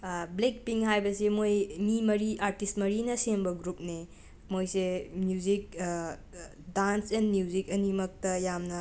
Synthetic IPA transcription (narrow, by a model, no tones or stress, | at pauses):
blek̚piŋhajbɐsemojmimɐɾiaɾtistmɐɾinɐsembɐɡɾup̚ne | mojsemjuzik̚ | dansenmjuzikɐnimɐk̚tɐjamnɐ